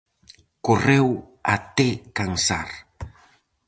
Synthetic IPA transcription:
korew | at̪ekaŋsa̰r

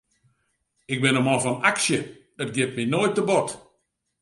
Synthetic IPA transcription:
ɪk̚bɪnəmɔfɔnaksjə | dɔt̚ɡjɪp̚minoːjt̚ːəbɔt

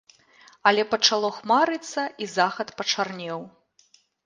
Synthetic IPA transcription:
ɐlʲɛpɐt͡ʂalˠɔxmaɾɨt̪sːɐʔizaxɐt̪pɐt͡ʂarnʲɛw

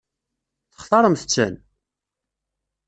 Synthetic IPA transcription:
θə̥χθˤɑɾˤəmθət͡sːæn

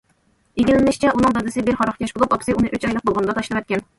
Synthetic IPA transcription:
iɡʲilɪnɪʃt͡ʃʰɛʔunɨŋd̪ɑd̪ɨsɪbɪɾχɑɾɑχkʲɛʃbolˠupɑpʰsɨunɨʔøt͡ʃɑjlˠəq̚bolˠʁɑnɨd̪ɑt̪ʰɑʃlˠɨmɛt̪kʲɛn

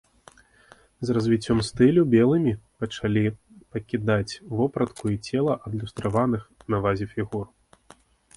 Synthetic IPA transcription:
zrɐzvʲit͡sʲːɔmst̪ɨlʲubʲɛlˠɨmʲipɐt͡ʂalʲi | pɐkʲid̪at͡sʲvɔpɾɐt̪kuit͡sʲɛlˠɐʔɐd̪lʲust̪ɾavanɨxnavazʲɛfʲiɣur

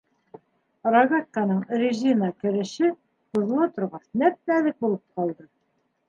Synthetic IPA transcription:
rɑɡat̪̚kɑnɤɴrʲɪʒinɑkɘ̆ɾɘ̆ʃɘ | qŭð̆lˠɑt̪ŏɾʁɑθnæt̪̚nælɘk̚bulˠɤp̚qɑlˠd̪ɤ

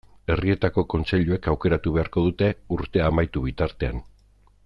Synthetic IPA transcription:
e̞rie̞t̪ako̞ko̞nt͡se̞ʎue̞kawke̞ɾat̪uβe̞aɾko̞ð̞ut̪e̞uɾt̪e̞amajt̪uβ̞it̪aɾt̪e̞a̰n

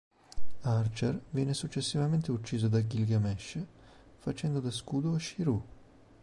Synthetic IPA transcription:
art͡ʃervjɛːnesut͡ʃːesːivament̪eut͡ʃːiːzod̪aɡilɡamɛʃ | fat͡ʃɛnd̪od̪askuːd̪oaʃiɾu

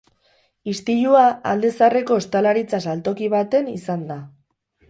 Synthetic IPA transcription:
ist̪iʎuaa̰ld̪e̞sare̞ko̞est̪alaɾit͡sasalt̪o̞kiβ̞at̪e̞nisand̪a

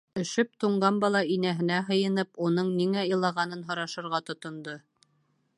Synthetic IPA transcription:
ɵ̆ʃɵp̚t̪uɴɢɑnbɑlˠɑinæɦɘ̆næɦɤ̆jɤ̆nɤpunɤɴniŋæɤ̆lˠɑʁɑnɤnɦŏɾɑʃɤ̆ɾʁɑt̪ŏt̪ŏnd̪o

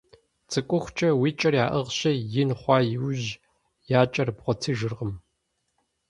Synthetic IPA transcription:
t͡sʰʼɨkʷʼʊxʷt͡ʃʰʼɐwiːt͡ʃʼɐrjaːʔɐʁɕɐjɪnχʷɑːjɪwʑ | jaːt͡ʃʼɐrbʁʷɔtʰɨʒɨrʁəm

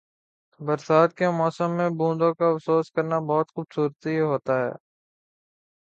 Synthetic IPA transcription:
bəɾsaːt̪̚kemɔːsəmːẽbũːnd̪õkaɐfsoːskəɾnabɔːt̪xʊbsuːɾt̪iɦoːt̪aːɦɛ̰ː

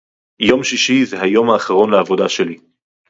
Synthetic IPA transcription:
jo̞mʃiʃizeɦajo̞mhaːχaʁo̞nleavo̞daʃe̞li

